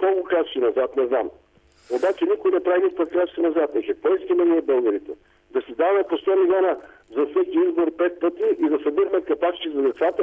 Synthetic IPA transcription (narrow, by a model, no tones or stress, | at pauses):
kolˠkʊkɾat̪sinɐzat̪nɛznam | obat͡ʃɛnikʊinɛpɾavinʲifpɐt̪kɾʲat̪sinɐzat̪ɛkɛk̪ɔjiskʲɛmɛniɛbɤlˠɡəɾit̪ɛ | d̪ɐsid̪avɐmɛpost̪ɔmilʲɔnə | zɐsɛkʲiizboɾpɛt̪̚pɤt̪iʔid̪ɐsɛd̪iɾmɛkɐpat͡ʃt͡ʃ̪izɐd̪ɛt̪sat̪ə